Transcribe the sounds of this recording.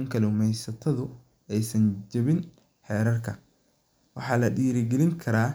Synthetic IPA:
ŋkʰɐlɛʊmɛjsɐt̪ʰɐðʊ | ɛjsɐɲd͡ʒɐβɪn | ħɛːɾɐrkʰɐ | wɑħɑːlɐɗiːɾɪɡɛlɪŋkʰɐɾaː

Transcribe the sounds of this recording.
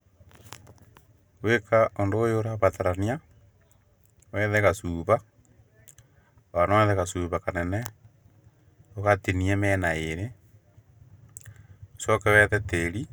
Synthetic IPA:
wekaondoːjoɾaβataɾania | wɛðɛɣasuːβa | wanaɛðɛɣasuːβakanɛnɛ | oɣateniemɛnaeɾe | osɔkɛwɛðɛteɾi

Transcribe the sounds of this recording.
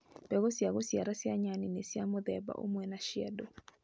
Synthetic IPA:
bɛɣosjaɣosjaɾasjaɲaninesjamod̪ɛba̰ʔo̰mwɛnaʃjɛ̰do

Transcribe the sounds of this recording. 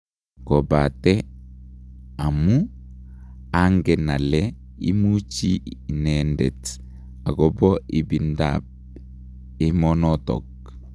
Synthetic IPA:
kɔbatɛ | amu | aŋɡɛnalɛ | imut͡ʃinɛndɛ̰t | aɡɔbɔibinda̰b̚ | imɔnɔtɔ̰k̚

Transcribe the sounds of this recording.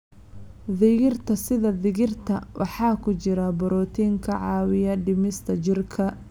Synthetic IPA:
ðɪɣɪrt̪ʰɐsɪðɐðɪɣɪrt̪ʰɐwʔɑ̰ħɑːkʰʊt͡ʃɪɾɐbɔɾɔːt̪ʰiːŋkʰɐʕɑːwɪjɐɖɪmɪst̪ʰɐt͡ʃɪrkʰɐ

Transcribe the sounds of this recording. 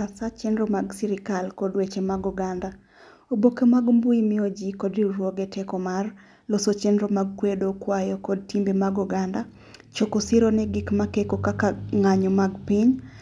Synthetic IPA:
asat͡ʃɛndɾomaɡsiɾɪkalkɔdwet͡ʃemaɡɔɡanda | obokemaɡmbuimɪod͡ʒikɔdiɾwoɡɛtɛkɔmar | losot͡ʃɛndɾomaɡ̚kwedokwajɔkɔd̚timbemaɡɔɡanda | t͡ʃokosɪɾonɛɡɪkmakekokakaŋaɲɔmaɡpɪɲ

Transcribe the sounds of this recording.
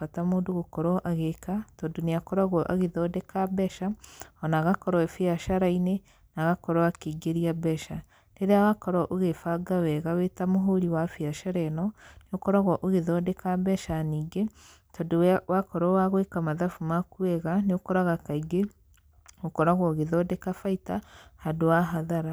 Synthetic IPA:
atamoːndoɣokɔɾɔʔaɣekatɔdoneakɔɾaɣwɔʔaɣeðɔdekabɛʃaɔnaɣakɔɾɔɛfiaʃaɾaine | naɣakɔɾɔakeɡeɾiabɛʃa | deɾeawakɔɾɔʔoɣefaɡawɛɣawetamoɦoɾiwafiaʃaɾɛnɔneokɔɾaɣwɔʔoɣeðɔdekabɛʃaniːɡe | tʰɔdewwakɔɾɔwaɣwekamaðafumakuɛɣaneokɔɾaɣakaiɡe | okɔɾaɣwɔɣeðɔdɛkafaitahadoaɦaðaɾa

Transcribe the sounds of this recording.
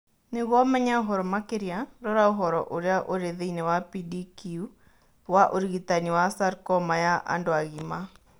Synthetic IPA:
neɣwɔmɛɲaoɦɔɾɔmakeɾjaɾɔɾaoɦɔɾɔ̰ʔoɾeaʔoɾeðeinɛwapidikiu | waʔoɾiɣitaniwasaɾkɔmajaʔa̰ndoaɣima

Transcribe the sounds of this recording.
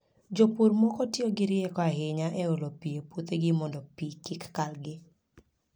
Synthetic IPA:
d͡ʒopuɾmɔkɔtjɔɡɪɾɪɛkɔaɦɪɲaʔɛolopiepot̪eɡɪmɔndɔpikɪkːalɡɪ

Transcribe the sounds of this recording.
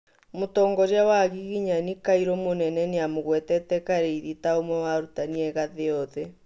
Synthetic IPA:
motɔːŋɡɔɾjawaɣiɣiɲanikaiɾomonɛnɛneamoɣwɛtɛtɛkaɾeiðitaomwɛwaɾutaniɛɣaðeɔðɛ

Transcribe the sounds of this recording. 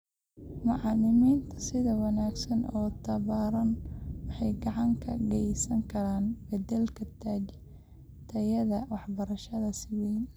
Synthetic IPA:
mɑʕɑlɪmiːnt̪ʰɐ̥sɪðɐwɑnaːɡsɐnɔːt̪ʰɐβaːɾɐnwɑħɑjɡɑʕɑŋkʰɐ̰ɡɛjsɐŋkʰɐɾaːnbɛd̪ɛlkʰɐt̪ʰaːd͡ʒ | t̪ʰɐjɐðɐwɑħbɐɾɐʃɐðɐsɪwɛn

